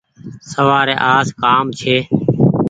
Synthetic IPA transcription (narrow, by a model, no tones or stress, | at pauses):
səʋaːɾeːʔaːskaːmt͡ʃʰeː